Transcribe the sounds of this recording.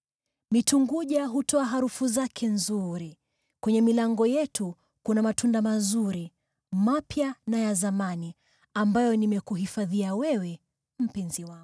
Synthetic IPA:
mituŋɡuʄaɦutɔaɦaɾufuzakʰɛnzuɾi | kwɛɲɛmilaŋɡɔjɛtʰu | kunamatʰundamazuɾi | mapjanajazamani | ambajɔnimɛkuɦifaðiawɛwɛ | m̩pinziwa

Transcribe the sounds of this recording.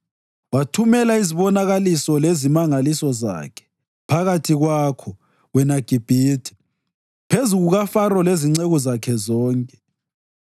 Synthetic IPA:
watʰumɛlaiziβɔnaɣalisɔlezimaŋalisɔza̰kʰɛ̥ | pʰaɣatʰiɣwakʰɔ | wɛnaɡ̥ʱib̥ʱiːtʰi̥ | pʰezuɣuɣafarɔleziŋ͡ǀeɣɔzakʰɛzɔːŋkʼɛ̥

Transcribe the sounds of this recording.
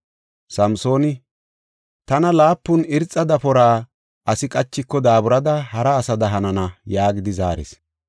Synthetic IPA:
sɐmso̞ːnɪ | t̪ɐnɐlaːpːʊnɪɾt͡sʼːɐd̪ɐpɔɾaː | ʔɐsɪkʼɐt͡ʃːɪkːɔd̪aːbʊɾɐd̪ɐhɐɾɐːsɐd̪ɐɦɐnɐnɐjaːɡɪd̪ɪza̰ːɾɛ̰s

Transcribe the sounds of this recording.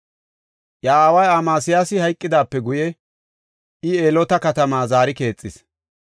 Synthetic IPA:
jɐaːwɐjaːmaːsɪjaːsɪhɐjkʼːɪd̪aːpːɛɡʊjɛ | ɪeːlɔt̪ɐkɐt̪ɐmaːzaːɾɪke̞ːt͡sʼːɪs

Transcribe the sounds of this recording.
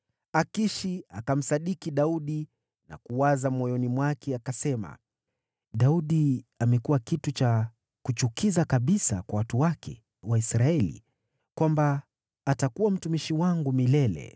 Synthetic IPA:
akiʃiakam̩saɗikiɗauɗi | na̰kuwazamɔjɔnimwakʰɛakasɛma̰ | ɗauɗiamɛkuwakitut͡ʃa | kut͡ʃukizakaɓisa̰kwawatuwakʰɛ̰ | waisɾaɛlḭ | kwambaː | takuwam̩tumiʃiwaŋɡumilɛlɛ̰

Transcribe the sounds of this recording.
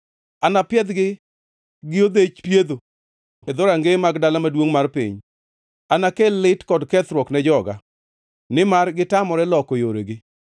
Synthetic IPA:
anapjɛd̪ɡɪ | ɡɪod̪et͡ʃpjed̪o | ed̪oɾaŋɡemaɡdalamadwoŋmarpḭɲ | anakelɪtkɔdkɛt̪ɾwɔknɛd͡ʒɔɡa̰ | nɪmarɡɪtamɔɾɛlɔkojoɾḛɡɪ

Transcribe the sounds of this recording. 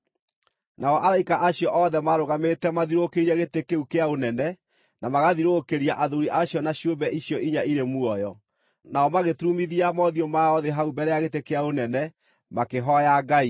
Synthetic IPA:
naɔʔaɾaikaʔaɕjɔʔɔðɛmaɾoɣametɛmaðiɾokeiɾiɛɣetekeukeaonɛnɛ | namaɣaðiɾokeɾiaʔaðoɾiʔaɕjɔnaɕjobɛʔiɕjɔʔiɲaiɾemuɔjɔ | naɔmaɣetuɾumiðiamɔðiomaɔðeɦaubɛɾɛjaɣetekeaonɛnɛ | makeɦɔjaɡai

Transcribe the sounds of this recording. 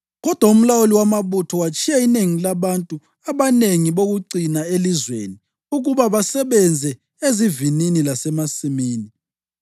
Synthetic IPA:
ɣɔd̥ʱwaum̩lawoliwamaβutʰɔwat͡ʃʰʼiaineŋilaβantʼu | aβaneŋiβoɣuǀinaelizwḛni | uɣuβaβasɛβɛnd͡zʱɛ | ezivininilasɛmasimiːni

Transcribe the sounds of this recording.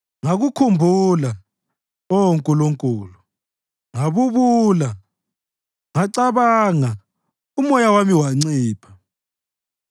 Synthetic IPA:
ŋaɣukʰumbʱula | ɔŋkʼuloŋkʼuːlu | ŋaβuβula | ŋaǀaβaŋa | umɔjawamiwaŋ͡ǀiːpʰḁ

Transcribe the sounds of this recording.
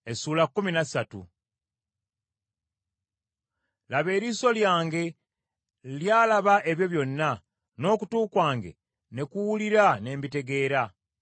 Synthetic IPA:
e̞suːlakːuminasatṵ | laβe̞ːɾiso̞ljaːŋɡe̞ | ljaːlaβaʔe̞βjo̞βjo̞nːa | no̞ːkutuːkwaːŋɡe̞̰ | ne̞kuwuliɾane̞ːmbite̞ɡe̞ːɾa

